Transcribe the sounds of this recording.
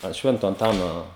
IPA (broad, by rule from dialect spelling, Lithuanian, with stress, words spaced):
ɐnt ˈʃʲʋʲɛntoː ɐnˈtɑːnoː